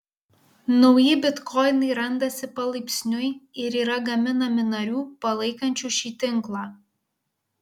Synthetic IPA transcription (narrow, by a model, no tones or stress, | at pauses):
nɔʊjɪbʲɪt̪kɔɪnɐɪɾɐnd̪ɐsʲɪpɐlˠɐɪpʲsʲnʲʊɪɪɾiːɾɐɡɐmʲɪnɐmʲɪnɐɾʲuːpɐlˠɐɪkɐnʲt͡ʃʲuːʃʲiːt̪ʲɪŋklˠɑː